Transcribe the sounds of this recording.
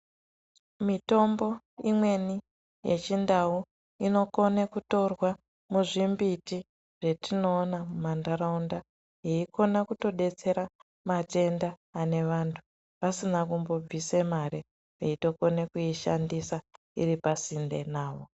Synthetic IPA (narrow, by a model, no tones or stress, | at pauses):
mito̞mbo̞ | imwe̞ni | je̞̰t͡ʃindau | ino̞ko̞nekuto̞rwa | muʐimbiti | ʐ̥e̞tino̞ːnamumandaɾaunda | jeikʰo̞nakuto̞ɗe̞t͡se̞ɾa | mate̞ndaː | ne̞ʋantʰu | pasinakumbo̞b͡visemaɾe | peito̞ko̞nekuiʃandisa | ḭripasinde̞̰naːʋo̞